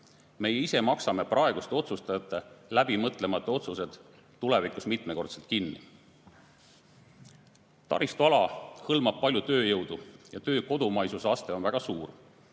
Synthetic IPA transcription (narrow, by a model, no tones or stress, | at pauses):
me̞jeise̞mɑksɑme̞prʔɑe̞ɡ̥ust̪eo̞t̪sust̪ɑjɑt̪ːˑe̞læbimɤt̪ˑle̞mɑt̪ːˑeo̞t̪suse̞d̪̥ | t̪ːule̞vikˑusmit̪me̞ko̞rt̪se̞lt̪̚kinːḭ | t̪ɑ̰ɾist̪uɑlɑhɤlmɑb̥̚pɑlʲjut̪ø̞ːjɤwd̪̥ujɑt̪ø̞ːko̞d̪umɑjsusɑst̪e̞o̞nvæɡ̥ɑsuːr